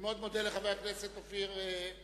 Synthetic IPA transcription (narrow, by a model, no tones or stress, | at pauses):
meo̞d̪mod̪eleχavejakneset̪ofiʁe